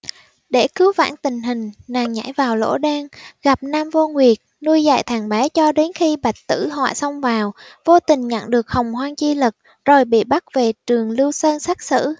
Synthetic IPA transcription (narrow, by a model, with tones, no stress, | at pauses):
ɗe˧˩kɨ˨˦wva̰ː˧˥nt̪ï˨˩ŋ̟ɦï˨˩ŋ̟naː˨˩ŋɲa̰˧˥jvaː˨˩wlo̰˧˥ɗaː˧ŋɣa˨˩p̚naː˧mvo˧ŋwi˨˩ət̚nu˧əjza̰ː˧˨jt̪ʰaː˨˩ŋɓɛ˨˦t͡ɕɔ˧ɗe˨˦nxi˧ɓa˨˩jk̟̚t̪ɨ̰˧˥ɦwa̰ː˧˨jsə˧wŋ͡mvaː˨˩wvo˧t̪ï˨˩ŋ̟ɲə̰˧˨nɗɨ˨˩ək̚hə˨˩wŋ͡mhwaː˧ŋt͡ɕi˧lɨ˨˩k̚ | zo˨˩jɓḭ˧˨ɓa˦˥k̚ve˨˩t͡ɕɨ˨˩əŋlɨ˧wsəː˧nsa˦˥k̚sɨ̰˧˥˨